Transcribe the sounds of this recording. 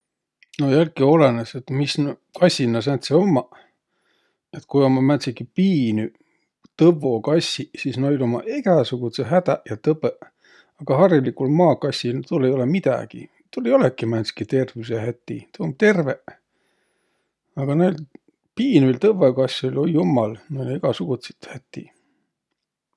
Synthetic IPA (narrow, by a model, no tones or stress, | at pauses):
nojælkio̞leneset̪misnkɑsʲinːɑs̬ænt̪seo̞mːɑ | et̪kujomːɑmænt̪sikipiːny | t̪ɤvo̞kɑsːisisnɑijlo̞mɑ̰ʔeɡæsuɡ̥ut̪seɦæd̪æʔjɑt̪ɤpe | ɑɡ̥ɑɦɑrilikulmɑːkɑsʲːilt̪ulːejo̞lemid̪̥æ̰ɡ̥ḭ | t̪ulːejo̞lekːimænt̪si̥kit̪e̞rvis̬eɦæt̪ʲːḭt̪uomt̪e̞rve | ɑɡ̥ɑnɑil | piːnylt̪ɤvːekɑsʲolʲojumːɑlnɑneɡ̥ɑsuɡ̥ut̪set̪hæt̪ːḭ